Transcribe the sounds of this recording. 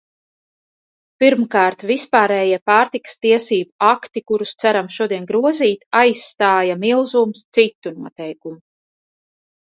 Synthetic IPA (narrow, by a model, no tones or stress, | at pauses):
piɾmkaːɾt̪vispaːɾɛːjiɛpaːɾt̪ikḁst̪iɛsiːbuakt̪ikuɾust̪sæɾamʃuɔd̪iɛnɡɾuɔziːt̪ajsːt̪aːjamilˠzuːmst̪sit̪ːunuɔt̪ɛjkumu